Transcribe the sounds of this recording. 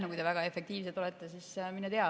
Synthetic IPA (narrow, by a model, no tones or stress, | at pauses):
nekujt̪evæɡ̥ɑe̞fˑe̞kt̪iːvset̪o̞lɛt̪ːˑesisminːet̪eɑ